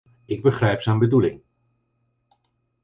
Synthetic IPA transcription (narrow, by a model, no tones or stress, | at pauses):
ɪɡ̚bəχrɛjpsɛjnbədulɪ̰ŋ